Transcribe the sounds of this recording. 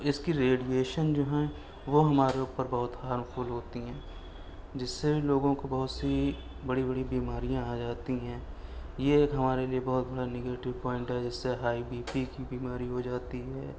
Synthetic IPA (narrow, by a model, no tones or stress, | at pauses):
ɪskiɾeːɖieːʃənd͡ʒoːɦɛ | ʋoɦɐmaːɾeʊːpəɾbɐɦʊt̪haːɾmfʊlɦoːt̪iɦɛ̃ː | d͡ʒɪsːebʱiloːɡõkobɐɦʊt̪si | bɐɽibɐɽibiːmaːɾijãaːd͡ʒaːt̪iɦɛ̃ːjeːkɦɐmaːɾeliebɐɦʊt̪̚bɐɽanɪɡeːʈɪʋpɔ̃ːɪ̃ɳʈɦɛd͡ʒɪsːeɦaːibiːpikibiːmaːɾiɦod͡ʒaːt̪iɦɛː